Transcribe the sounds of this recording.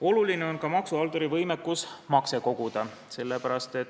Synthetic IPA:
o̞luline̞o̞nkɑmɑksuɑlt̪oɾivɤjmekːˑusmɑkse̞ko̞ɡ̥ud̪̥ɑ | se̞lːepæɾɑst̪e̞t̪

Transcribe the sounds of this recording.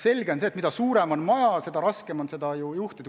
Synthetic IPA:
se̞lʲɡe̞onseːt̪mid̪ɑsuːɾemo̞nmɑjɑse̞d̪ɑɾɑskemo̞nse̞d̪̥ɑjujuht̪id̪

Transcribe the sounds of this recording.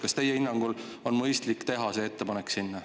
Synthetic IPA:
kɑst̪e̞jeinːɑŋɡ̥ul | o̞nmɤjst̪likːˑt̪e̞ɦɑse̞et̪ːe̞pɑne̞ksinːɑ

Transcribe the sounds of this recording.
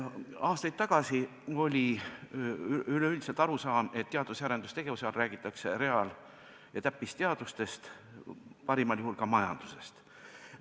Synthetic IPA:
ɑːst̪ɑjd̪̥t̪ːɑɡ̥ɑsi | o̞lʲi | yløyld̪iselt̪ɑɾusɑːme̞t̪ːeɑd̪̥usæːɾe̞nd̪̥ust̪e̞ɡ̥evuseɑlræːɡ̥it̪ːˑɑkse̞ɾe̞ɑl | jɑt̪æpːist̪e̞ɑd̪̥ust̪e̞st̪ | pɑɾimɑljuhulkɑmɑjɑ̰nd̪̥use̞st̪

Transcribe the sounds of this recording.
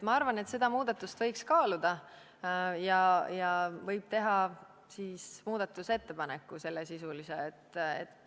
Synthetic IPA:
mɑɑrvɑne̞t̪se̞d̪̥ɑmuːd̪̥ɑt̪ːˑust̪vɤjkskɑːlud̪̥ɑ | jɑjɑvɤjb̥̚t̪e̞ɦɑ | siːsmuːd̪̥ɑt̪ːˑuse̞t̪ːe̞pɑnekːˑuse̞lːesisuliseet̪ːḛt̪ːˑ

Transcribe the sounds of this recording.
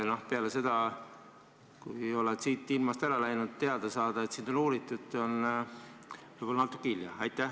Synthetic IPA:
no̞hpeɑlese̞d̪̥ɑ | kujo̞let̪siːt̪ːˑilmɑst̪æɾɑlæjnud̪̥t̪ːeɑd̪̥esɑːd̪ɑe̞t̪siːnd̪̥onuːɾit̪ːˑut̪ːˑo̞n | vɤjbolɑnɑt̪ːˑu̥kːiljɑɑjt̪ˑːæh

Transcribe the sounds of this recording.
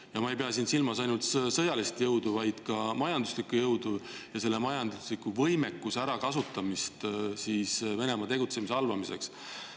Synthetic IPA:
jɑmɑejpeɑs̬iːnsilmɑsɑjnult̪sɤjɑlist̪jɤwd̪uvɑjd̪̥kɑmɑjɑnd̪uslikːujɤwd̪̥ujɑse̞lːemɑjɑnd̪uslikːˑuvɤjme̞kːˑusæɾɑkɑsut̪ːˑɑmist̪siːsve̞ne̞mɑt̪e̞ɡut̪se̞mise̞ɑlvɑmise̞̰ks

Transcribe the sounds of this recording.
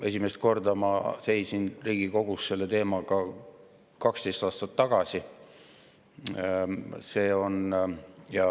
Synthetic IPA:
e̞s̬ʲimest̪̚ko̞rd̪ɑmɑ̰se̞jsinriːɡ̥iko̞ɡ̥usse̞lːe̞t̪e̞ːmɑɡ̥ɑ | kɑkst̪e̞jst̪ɑːst̪ɑt̪ːɑɡ̥ɑsi | se̞ːo̞njɑ

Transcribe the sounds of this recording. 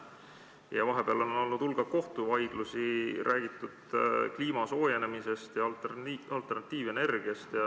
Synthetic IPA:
jɑvɑɦe̞peɑlo̞nno̞lnud̪̥ulɡ̥ɑko̞ht̪uvɑjɡ̥lusiɾʔæːɡ̥it̪ˑːud̪̥kliːmɑso̞ːje̞ne̞mise̞st̪jɑɑlt̪ːˑe̞rnɑt̪ːiːve̞ne̞rɡ̥iɑst̪jɑ

